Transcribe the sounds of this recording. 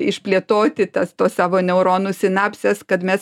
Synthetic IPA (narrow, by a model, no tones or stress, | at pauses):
ɪʃpʲlʲiɛt̪oːt̪ʲɪt̪ɐst̪oːssɑːʋoːnʲɛʊɾoːnuːsʲɪnɑːpʲsʲɛskɐt̪mʲɛs